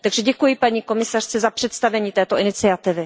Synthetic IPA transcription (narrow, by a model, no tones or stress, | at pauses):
t̪aɡʒɛɟɛkujɪpaɲiːko̞mɪsar̝̥t͡sɛzapr̝̥ɛt̪st̪avɛɲiːt̪ɛːt̪oʔɪnɪt͡sɪat̪ɪvɪ